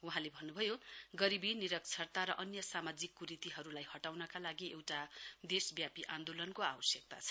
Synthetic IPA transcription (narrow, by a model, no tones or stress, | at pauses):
uɦãlebʱʌnːubʱʌjoɡʌɾibiniɾʌk̚t͡sʰʌrt̪aɾʌʔʌnjʌsamad͡zikːuɾit̪iɦʌɾulajɦʌʈawnʌkalaɡiewʈad̪esbjapiʔãnd̪olʌnkoabʌsjek̚t̪a̰t͡sʰʌ̥